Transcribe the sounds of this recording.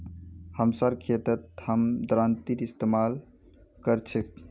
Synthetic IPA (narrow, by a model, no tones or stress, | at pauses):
həmsaɾkʰet̪ət̪̚həmd̪ɾant̪iɾist̪emal | kəɾt͡ʃʰek̚